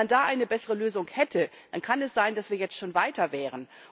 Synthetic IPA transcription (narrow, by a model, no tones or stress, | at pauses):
ndaːʔaɪnəbɛsəʁəløːzʊŋhɛtʰə | d̥ankʰanɛsz̥aɪndasv̥iːɐjɛt͡stʃoːnvaɪtɐvɛːʁ̞ən